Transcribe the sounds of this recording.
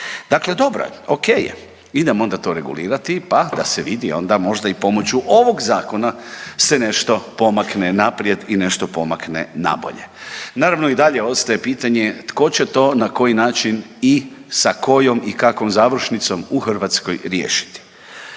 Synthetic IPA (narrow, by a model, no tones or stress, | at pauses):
d̪̥akle̞d̪o̞bɾa̰okeːjḛ | id̪emo̞nd̪at̪o̞ɾe̞ɡṵliːɾat̪ipad̪aseʋid̪io̞̰nd̪amo̞ʒd̪aipo̞mo̞t͡ɕuʔo̞ʋo̞ɡzaːko̞nasene̞ʃt̪o̞po̞maknenapɾijed̪ine̞ʃt̪o̞po̞maknḛna̰bo̰ʎe̞̰naːɾaʋno̞id̪aʎeo̞t̪st̪ajepiːt̪aɲe̞t̪ko̞t͡ɕe̞t̪o̞ːnako̞jinaːt͡ʃinisako̞jo̞mikakʋo̞mzaːʋɾ̩ʃnit̪so̞muxr̩ʋat̪sko̰jɾje̞ːʃi̥t̪i̥